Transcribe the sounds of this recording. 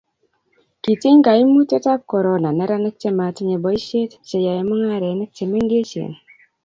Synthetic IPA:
ki˨tɪ˦ŋɡa˨i˦mu˦te˦ta˦p̚kɔ˨ɾɔ˨na˨nɛ˦ɾa˦nɛ˦k̚te˦ma˨ti˦ɲe˨bɔ˨˦i˦ʃe˦tt͡ʃe˨ja˨i˦mu˦ŋa˦ɾɛ˨˦nɛ˦k̚te˨me˦ŋɡe˦t͡ʃḛ˨n

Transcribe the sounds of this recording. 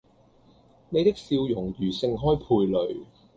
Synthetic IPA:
ne˨˧jt̪ɪ˥k̚siː˧wjʊ˨˩ŋjyː˨˩sɪ˧ŋɦɔː˥jpʰuː˧jlɵ˨ɥ

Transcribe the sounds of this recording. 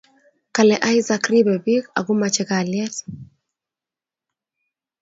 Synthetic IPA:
ka˨lɛ˨ʔa˦jza˨kribɛ˨bi˦ka̰˨ɡu˦ma˨t͡ʃɛka˨ljɛ˦t

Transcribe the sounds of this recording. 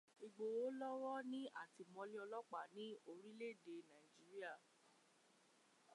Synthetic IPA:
i˨ɡ͡bo˨wo˦lɔ˦wɔ˦nĩ˦ʔa˦˨ti˧mɔ̃˧li˦ɔ˧lɔ˦k͡pa˦˨nĩ˨˦o˧ɾĩ˦le˦˨de˨nã˨ĩ˨d͡ʒi˨˦ɾi˦a˦˨

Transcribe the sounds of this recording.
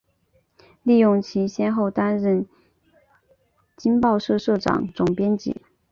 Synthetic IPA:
li˥˧jʊ˥˩ŋt͡ɕʰi˧˥ɕjɛ˥nxo˥˩ʊt̪a˥nɻə˥˩n | t͡ɕi˥npɑ˥˧ʊʂɤ˥˧ʂɤ˥˩ʈ͡ʂɑ̰˨˩˦ŋʈ͡ʂʊ˨˩ŋpjɛ˥nt͡ɕɛ̰˧˥˦

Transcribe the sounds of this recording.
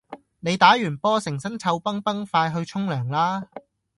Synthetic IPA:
ne˨˧jt̪aː˨˥jyː˨˩npɔː˥sɪ˨˩ŋsɐ˥nt͡sʰɐ˧wpɐ˥ŋpɐ˥ŋfaː˧jɦɵ˧ɥt͡sʰʊ˥ŋlœː˨˩ŋlaː˥

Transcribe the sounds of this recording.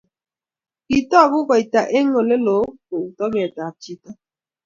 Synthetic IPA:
i˨tɔ˦˨ɡʊ˦kɔ˨i˨ta˨ʔe˦ŋ˦o˨le˦lo˨˦ko˨u˨tɔ˦ɡɛ˨ta˨t͡ʃi˦ta˦

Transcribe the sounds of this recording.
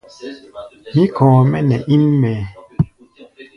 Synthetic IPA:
mi˦kɔ̃ː˨mɛ˦nɛ˨ʔi˦nmɛ˨

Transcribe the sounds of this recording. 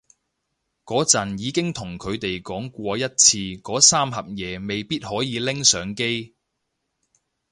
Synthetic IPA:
kɔː˨˥t͡sɐ˨njiː˨˧kɪ˥ŋt̪ʰʊ˨˩ŋkʰɵ˨˧ɥt̪e˨jkɔː˨˥ŋkʷɔː˧jɐ˥t̚t͡sʰiː˧kɔː˨˥saː˥mɦɐ˨p̚jɛː˨˧me˨jpiː˥t̚hɔː˨˥jiː˨˧lɪ˥ŋsœː˨˧ŋke˥j

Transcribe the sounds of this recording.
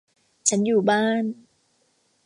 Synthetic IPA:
t͡ɕʰa˦˥njuː˨˩baː˥˩n

